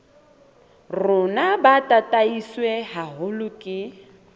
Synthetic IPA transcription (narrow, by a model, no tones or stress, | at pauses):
rʊnabatʼatʼaisweɦaɦʊlʊkʼɪ